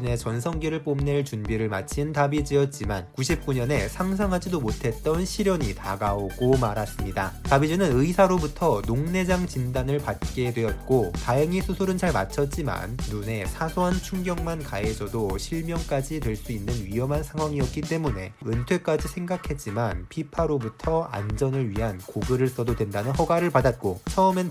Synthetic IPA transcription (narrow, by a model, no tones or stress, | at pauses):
ne̞t͡ɕʌns̬ʰʌŋɡiɾɯɭp͈omneɭt͡ɕunbiɾɯɭma̰t͡ɕʰintabid͡ʑiʌt̚t͡ɕ͈imankuɕʰip̚k͈uɲʌne̞sʰaŋsʰaŋɦad͡ʑidomotʰe̞t̚t͈ʌnɕʰiɾjʌɲita̰ɡaoɡomaɾas͈ɯmɲida̰tabid͡ʑinɯnɯisʰaɾobutʰʌnoŋne̞d͡ʑaŋt͡ɕindanɯɭpat̚k͈e̞dwe̞jʌt̚k͈otaeŋisʰusʰoɾɯnt͡ɕaɭma̰t͡ɕʰʌt̚t͡ɕ͈ima̰nːune̞sʰasʰoɦant͡ɕʰuŋɡjʌŋmankaesʌdoɕʰiɭmjʌŋk͈ad͡ʑidwe̞ɭs͈uinːɯnɥiʌmɦansʰaŋɦwaŋiʌt̚k͈it͈e̞muneɯntʰwe̞k͈ad͡ʑisʰe̞ŋɡakʰe̞t̚t͡ɕ͈imanpʰipʰaɾobutʰʌa̰nd͡ʑʌnɯɭɥiɦankoɡɯɾɯɭs͈ʌdodwe̞ndanɯnɦʌɡaɾɯɭpadat̚k͈ot͡ɕʰʌɯmen